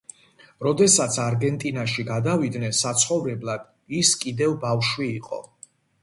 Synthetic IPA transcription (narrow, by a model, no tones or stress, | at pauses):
ɾɔd̪ɛsat̪sʰaɾɡɛnt̪ʼinaʃiɡad̪avid̪nɛnsat̪sʰχɔvɾɛblˠad̪̥ | iskʼid̪ɛvbafʃwiːqʼɔ̰